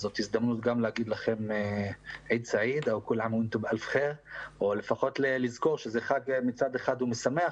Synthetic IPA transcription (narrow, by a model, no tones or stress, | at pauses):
zo̞t̪izd̪amnut̪ɡamlehaɡid̪laχe̞meʕid̪saʕid̪aukulʕamuint̪obʔalfχeʁʔo̞le̞faχo̞t̪lelizko̞ʁʃezeχaɡmit͡sad̪eχad̪umesameaχ